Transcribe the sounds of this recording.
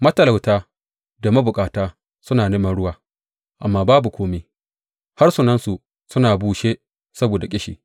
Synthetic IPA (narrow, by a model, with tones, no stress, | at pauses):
mɐ˦tɐ˨la˨wtaː˦ | da˨mɐ˦bʊ˨kʼaː˨taː˦ | sʊ˦naː˨neː˦mɐ˦nɽʊ˦waː˦ | ʔa̰˨mːaː˦baː˦bu˨kʷoː˦meː˦ | ha˦rsu˨nɐ˦nsu˨ | sʊ˦naː˨buː˦ʃeː˦ | sɐ˦boː˨da˨kʲʼɪ˦ʃḭː˨